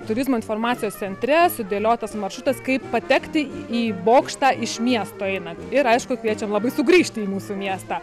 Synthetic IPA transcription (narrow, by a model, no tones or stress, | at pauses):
t̪ʊɾʲɪzmoːɪnfoːrmɑːt̪sʲɪjoːst̪sʲɛnʲt̪ʲɾʲɛsʊd̪ʲeːlʲoːt̪ɐsmɐrʃʊt̪ɐskɐɪppɐt̪ʲɛkt̪ʲɪiːboːkʃt̪ɑːʔɪʃmʲiɛst̪oːɛɪnɐtɪɾɐɪʃkʊkʋʲiɛt͡ʃʲɛmlˠɐbɐɪsʊɡɾʲiːʃʲt̪ʲɪiːmuːsuːmʲiɛst̪ɑː